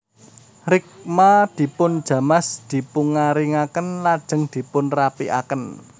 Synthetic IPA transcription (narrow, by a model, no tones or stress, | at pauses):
rɪk̚mad̪̥i̤pʊnd̥ʒ̥ä̤masd̪̥i̤puŋaɾiŋakənlad̥ʒ̥ə̤ŋd̪̥i̤pʊnrapiʔa̰kən